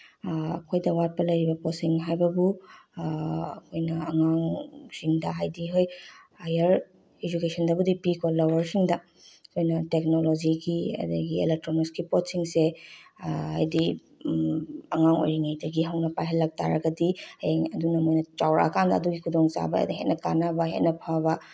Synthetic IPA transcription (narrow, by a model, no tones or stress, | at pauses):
ɐ̰kʰojdɐwat̚pɐlɐjɾibɐpotsiŋɦajbɐbu | ɐkʰojnɐːŋaŋsiŋdɐɦajdiɦoj | ajɐɾ | ed͡ʒukesʰɐndɐbudipikʰolɐwɐɾsiŋdɐ | ɐkʰojnɐtek̚nolod͡ʒiɡiɐ̰dɐ̰ɡiḛlek̚tɾomiskipotsiŋse | ha̰jdi | ɐŋaŋo̰jiŋejdɐɡiɦɐwnɐpajɦɐlːɐk̚ta̰ɾɐɡɐdiɐjeŋɐdunɐmojnɐt͡ʃawɾa̰ɐ̰kʰandɐɐduɡikʰudoŋt͡ʃa̰bɐ̰dɐɦḛt̚nɐkanabɐɦḛtnɐpʰaβɐ